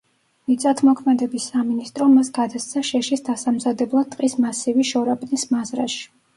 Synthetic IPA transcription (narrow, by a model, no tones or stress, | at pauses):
mit̪sʼat̪ʰmɔkʰmɛd̪ɛbisːaminist̪ʼɾɔmasɡad̪ast̪sʰaʃɛʃisd̪asamzad̪ɛblˠad̪̚t̪ʼqʼismasiviʃɔɾapʼnismazɾa̰ʃi̥